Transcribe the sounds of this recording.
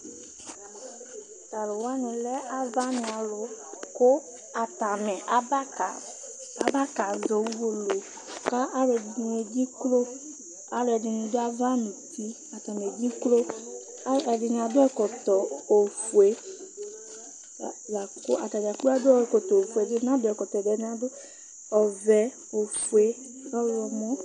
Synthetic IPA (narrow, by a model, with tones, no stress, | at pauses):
t̪a˨lʊ˨wa˦nʊ̃˨lɛ˦ʔa˨va˦nɪ̃˨a˨lʊ˨kʊ˦ | a˨ta˨mɛ˨˦˨ | a˦ba˦ka˨zo˨wwo˦lo˨ | ka˦ʔa˦lɛ˨dɪ˨n˨e˨d͡ʑi˦klo˦ | a˦lʊ˨˦ɛ˨dɪ˨nʊ̃˨dʊ˦a˦va˦nũ˨t̪i˦ | a˨ta˨m˨e˨d͡ʒi˦klo˦ | a˦ɛ˨dɪ˨n˨a˨dʊ˦ɛ˦kɔ˨tɔ˨o˨fu˨e˨ | ja˨ko˦a˨ta˨da˨ka˦dʊ˦ɔ˦ɛ˨kɔ˨tɔ˨o˨fu˨e˨dɪ˦n˦ã˦dʊ˦ɛ˨kɔ˨tɔ˨dɛ˨˦n˦a˨dʊ˦ | ɔ˨vɛ˨ | o˨fu˨e˨˦ | ɔ˦wɔ˨mɔ˦